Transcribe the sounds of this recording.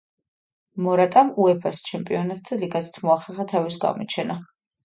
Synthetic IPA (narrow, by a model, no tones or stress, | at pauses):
mɔɾat̪ʼamuɛpʰast͡ʃʰɛmpʼiɔnat̪̚ʰd̪aliɡazɛ̥t̪ʰmɔaχɛɾχat̪ʰavisɡa̰mɔt͡ʃʰɛna